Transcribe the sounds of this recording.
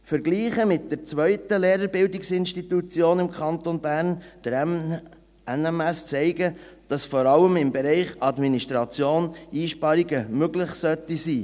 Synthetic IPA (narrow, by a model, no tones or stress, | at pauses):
fəɾɡliːχəmɪt̚d̥əɾt͡sʋœʏtəleːɾəɾbɪldɪksɪnʃtitut͡sjoːnɪmkʰχɑnt̪onbæːɾnd̥əɾ | ɛnɛmɛst͡sɛɪɡə | d̥ɑsfɔɾɑləmɪmbɛɾɛɪχɑdminiʃtɾɑt͡sjoːniːʃpɑɾiɡəmøɡlɪχsœtisiː